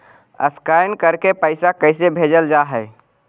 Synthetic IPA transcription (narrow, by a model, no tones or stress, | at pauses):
ə̰skaɪnkəɾkepəɪsakəɪsebʱed͡ʒəld͡ʒaɦɛɪ